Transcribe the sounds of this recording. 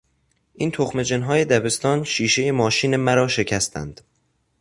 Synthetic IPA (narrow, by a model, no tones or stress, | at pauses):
ʔiːnt̪ʰoxme̞d͡ʒenɦɒːje̞d̪æbe̞st̪ɒːnʃiːʃe̞jemɒːʃiːne̞mæɾɒːʃe̞cʰæst̪ʰæ̰nd̪̥